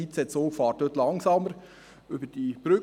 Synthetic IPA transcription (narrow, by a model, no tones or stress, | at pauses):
it͡sɛtsoːfɑːɾtdøt̪lɑŋsɑməɾ | ʏbəd̥ib̥ɾʏ